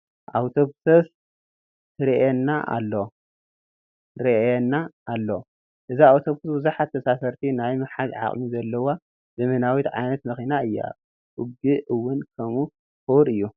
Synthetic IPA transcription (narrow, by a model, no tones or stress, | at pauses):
ʔawt̪ʰoβsɐs | tɨɾiʔɛnːaʔa̰lːo | ɾɐʔɛnːaːlːo | ʔɨziawt̪ʰobsɨsbɨzuħat̪ʰːɐsasɐɾt̪ʰinajmɨħad̪ʕa̰χʼmizɐlːɐwa | zɐmɐnawit̪ʕa̰jnɐt̪mɐxinaɨjːa̰ | ʔʊɡiʔɨwːʊnkʰɐmu | xuɾɨjːu